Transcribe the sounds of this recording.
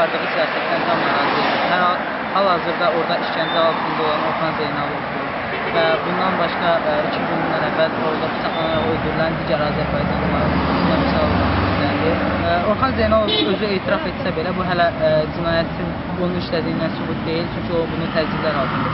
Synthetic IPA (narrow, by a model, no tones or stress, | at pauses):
ɑɾd̪ɯʁɯsijɑːsæt̪ʰlænd̪æmæɾɑzed̪iɦæɾhɑl | hælˠhɑːzɯɾd̪ɑo̞ɾd̪ɑiʃcænd͡ʒ̪æɑlˠd̪ɯind̪olˠɾɑno̞ɾχɑnzejnɑlˠovd̪uɾ | væbund̪ɑnbɑʃkɑɾit͡ʃʰimbonunlˠɑɾævvæl | oɾd̪ɑbi̥t͡ʃ̪ʰɑɑnɑlolˠd̪uɾlˠænd̪iɟæɾɑːzæɾbɑjd͡ʒɑɯmɑɾˠɯd̪æmisɑlˠɑɾsøzlænd̪io̞ɾχɑnzejnɑlˠoø̞zyeːt̪ʰiɾɑfe̞t̪sæbe̞læbuɦælæd͡ʒinɑːjæt̪ʰin | onuiʃlæd̪iind̪ænsybut̪̚d̪e̞jilt͡ʃʰyɲcʰio̞bunut̪ʰæd͡ʒd͡ʒ̪ib̪lænolˠd̪ɯnu